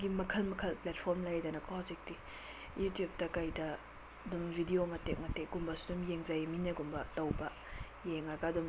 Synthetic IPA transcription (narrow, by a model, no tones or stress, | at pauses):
ɡimɐkʰɐlmɐkʰɐlplɛt̚pʰɔɾmlajdɐnɐkʰɔzek̚ti | jutjup̚tɐkajdɐː | dumbʱidiomɐtek̚mɐteɡumbɐsu̥dumjeŋzajminɐɡumbɐtɐwbɐ | jeŋaɡadum